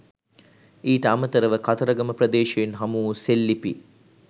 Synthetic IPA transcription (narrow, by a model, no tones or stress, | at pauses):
iːʈəamət̪əɾəʋəkat̪ɐɾɐɡɐməprɐd̪eːʃeenɦɐmuːselːipi